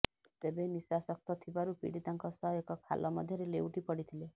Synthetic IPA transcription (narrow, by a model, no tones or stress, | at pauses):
t̪ebenisasɔk̚t̪ɔt̪ʰibaɾupḭɽit̪aŋkɔsɔɦekɔkʰa̰lʔɔmɔd̪ʱjɔɾeleuʈipɔɽit̪ʰile